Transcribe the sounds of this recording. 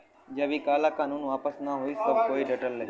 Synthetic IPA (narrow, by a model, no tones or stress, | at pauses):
d͡ʒɐbikaːlakaːnũːnʋaːpəsnaɦoisəb̚ʱkoːiɖəʈəlːe